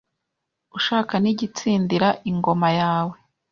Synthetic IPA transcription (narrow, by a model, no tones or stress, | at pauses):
uʃaːkaniɟit͡siːndiɾaʔiŋɡo̞majaːwe